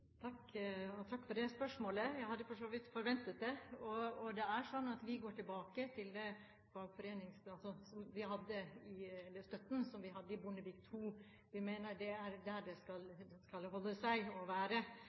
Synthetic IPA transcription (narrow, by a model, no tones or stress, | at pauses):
t̪ʰɑkːɔt̪ʰɑkːfɔɖɛspœʂmoːləjæɪhɑd̪ːəfɔʂoːʋɪt̪fɔɾʋɛnt̪ət̪̚d̪ɛɔɔd̪ɛæɾʂɔnːɑt̪ʋɪɡoːʈɪlbɑːkət̪ʰɪld̪ɛ | fɑːɡfɔɾeːnɪŋsɑlsɔsɔmʋɪɦɑd̪ːəɪɛlːəʂt̪œt̪ːn̩sɔmʋɪɦɑd̪ːəɪbʊnəbiːk̚t̪ʰuː | ʋɪmeːnəɾɖɛæɾd̪æɖɛskɑld̪ɛskɑlɦɔlːəsæɪɔʋæːɾə